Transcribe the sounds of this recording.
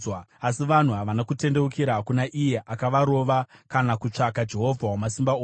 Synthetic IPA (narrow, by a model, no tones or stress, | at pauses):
waasiʋan̤uɦaʋanakute̞nde̞ukiɾaɦakunaʔije̞ʔakaʋaɾo̞ʋakanakut͡ʂakad͡ʒe̞ɦo̞vʱawamasimbao